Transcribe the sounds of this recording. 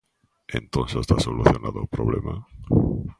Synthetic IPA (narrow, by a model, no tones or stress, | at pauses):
ẽnt̪õnsast̪asoluθjonaðopɾoβlema